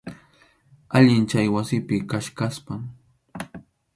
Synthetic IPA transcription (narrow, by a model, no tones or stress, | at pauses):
aʎɪnt͡ʃajwasɪpɪkaʃkaspaŋ